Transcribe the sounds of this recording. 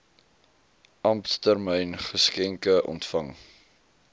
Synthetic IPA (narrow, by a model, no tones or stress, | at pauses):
ʔɐmptərmɛjnχəskɛŋkəʔɔ̰ntfɐŋ